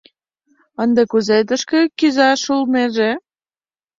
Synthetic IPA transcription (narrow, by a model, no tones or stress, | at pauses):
ənd̪ekuzet̪əʃkĕkyzɑʃulmeʒe